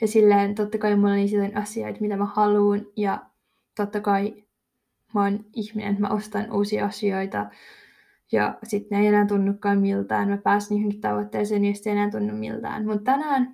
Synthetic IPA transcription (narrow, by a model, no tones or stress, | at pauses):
jɑsilːeːnt̪ot̪ːɑkɑimulolisilːonʲʔɑsio̰it̪mit̪æmæhɑluːnjɑ | t̪ot̪ːɑkɑi | monihminḛnet̪mæ̰ʔost̪ɑnuːsiɑɑsioit̪ɑ | jɑ̰sit̪neijenæːnt̪unːukːɑːmmilt̪ɑ̰ːnmæpæːsniːhoŋkit̪ɑʋot̪ːeːseːnijɑsit̪ejenæːnt̪unːummḭlt̪ɑ̰ːnmut̪t̪ænæːn